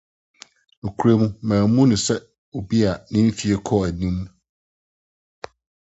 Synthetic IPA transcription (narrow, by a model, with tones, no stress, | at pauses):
o˨kʰu˨˦ɾe˦mũ˦mãː˨˦mũ˦nʊ̃˨sɛ˦ | wo˨bi˦a˨nɪ̃˦m˦fi˨e˨kʰɔ˦æ˨nĩ˦m